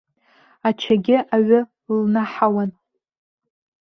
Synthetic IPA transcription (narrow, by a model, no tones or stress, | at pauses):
at͡ʃʰaɡʲɪʔaɥʊ | lnaħawan